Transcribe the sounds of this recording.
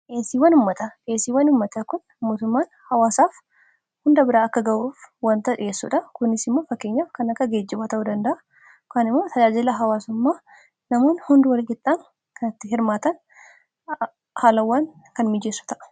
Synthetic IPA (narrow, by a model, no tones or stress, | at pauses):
ʔeːsiːwɐnʊmːɐt̪ɐʔe̞ːsiːwɐnʊmːɐt̪ɐkʊn | moːt̪ʊmːaːnhɐwaːsaːf | hʊnd̪ɐbɪɾaːɐkːɐɡɐʔuːfwɐnt̪ɐᶑɪʔeːsːṵːᶑɐkʊnːɪsɪmːoːfɐkːe̞ːɲːaːfkɐnɐkːɐɡeːd͡ʒːɪbaːt̪ɐʔud̪ɐnd̪ɐʔɐ | kaːnɪmːo̞ːt̪ʰɐd͡ʒaːd͡ʒɪlɐɦɐwaːsʊmːaː | nɐmoːnhʊnd̪ʊwɐlɪkɪt̪ʼːaːn | kɐnɐt̪ːɪɦɪɾmaːt̪ɐn | haːlɐwːaːnkɐnmɪd͡ʒeːsːʊ̥t̪ɐʔɐ̥